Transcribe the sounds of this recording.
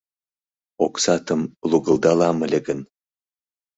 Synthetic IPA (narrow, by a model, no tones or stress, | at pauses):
oksɑt̪ə̆mlˠuɡɤ̆lˠd̪ɑlɑmə̆lʲĕɡə̆n